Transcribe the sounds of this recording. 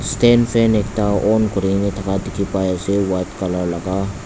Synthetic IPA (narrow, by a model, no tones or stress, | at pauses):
st̪eːnfenek̚t̪aʔoːnkʊɾinet̪ʰɐkad̪ɪkʰipaːjasewat̪kɐləɾlɐɡa